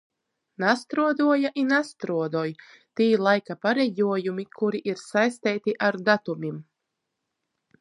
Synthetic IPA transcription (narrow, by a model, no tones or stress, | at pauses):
nast̪ɾuɔd̪uɔjaʔinast̪ɾuɔd̪uj | t̪iːlˠajkapaɾɛjuɔjumikʰuɾiʔiɾsajst̪ɛːjt̪iʔaɾd̪at̪umʲim